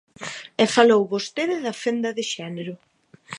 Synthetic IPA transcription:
ɛfalowβost̪eðɪðɐfend̪ɐðɪʃɛneɾʊ

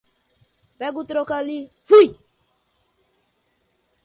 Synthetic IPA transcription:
bɛɡut̪ɾokalivui

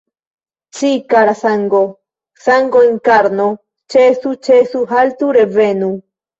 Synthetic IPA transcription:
t͡ʃikaɾasaŋɡo | saŋɡoeŋkaɾno | t͡ʃesut͡ʃesuɦalt̪uɾevenu

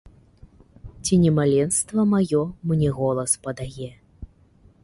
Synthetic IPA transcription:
t͡sʲinʲɛmalʲɛnst̪vɐmajɔmnʲɛɣɔlˠɐspɐd̪ajɛ

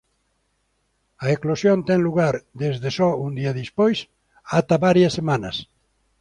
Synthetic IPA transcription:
ɐeklosjont̪ɛŋluɣaɾd̪ezðesɔund̪iɐðispojs | at̪aβaɾjɐsːemanɐs

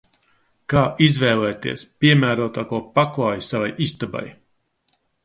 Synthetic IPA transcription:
kaːʔizvɛːlˠɛːt̪ḭɛspʲiɛmæːɾuɔt̪aːkuːpaklaːjisavajist̪aba̰j

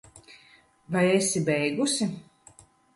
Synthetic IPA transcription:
vajesibɛjɡusʲi

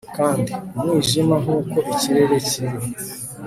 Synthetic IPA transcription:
kaːndimwiːʒimaŋuːkoʔiciɾeɾeciɾi

